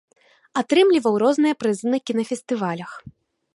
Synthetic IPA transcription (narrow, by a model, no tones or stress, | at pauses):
at̪ɾɨmlʲivɐwɾɔznɨjɐpɾɨzɨnɐkʲinɐfʲɛst̪ɨvalʲɐx